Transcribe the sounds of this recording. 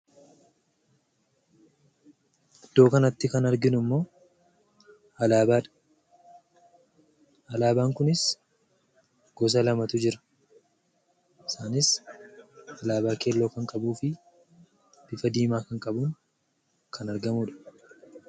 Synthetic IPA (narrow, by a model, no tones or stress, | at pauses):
ɐd̪̥ːo̞ːkɐnɐt̪ːɪkɐnɐɾɡɪnʊmːo̞ː | ɐlaːbaːᶑɐ̥ | ɐlaːbaːŋkʊnɪs | ɡ̥ɔs̬ɐlɐmɐt̪ʊd͡ʒɪɾɐ̥ | ɪsaːnɪs | ɐlaːbaːke̞ːlːo̞ːkɐŋkʼɐbuːfɪ | b̥ɪfɐd̪iːmaːkɐŋkʼɐbʊn | kʰɐnɐɾɡɐmʊᶑɐ̥